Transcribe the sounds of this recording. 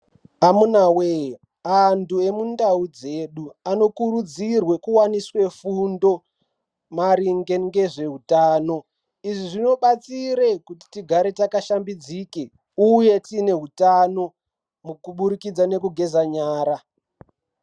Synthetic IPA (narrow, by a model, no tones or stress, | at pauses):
amunawe | andue̞mundaud͡ze̞ɗuano̞kuɾud͡zirwe̞kuwaniswe̞fundo̞ | maɾiŋɡe̞ŋɡe̞ʐe̞ɦutaːno̞ | iʐiʐino̞ɓat͡siɾekuti̥tiɡʱaɾe̞takaʃambid͡zike | uje̞tine̞ɦutano̞ | mukuɓuɾikid͡zane̞kuɡʱe̞zaɲaːɾa